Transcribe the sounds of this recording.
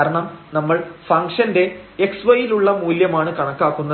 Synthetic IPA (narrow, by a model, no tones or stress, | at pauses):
ɾɐɳɐmnɐmːɐɭfɐŋkʂɐnde̞eksʋɐjiluɭːɐmuːljɐmaːɳɨkɐɳɐkːaːkːunːɐ